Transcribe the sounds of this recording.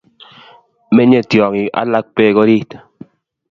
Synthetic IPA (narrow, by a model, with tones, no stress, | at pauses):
mɛ˦ɲe˦˨tjɔ˨ŋi˨ʔa̰˦la˦k̚pe˦kɔ˦ɾi˦t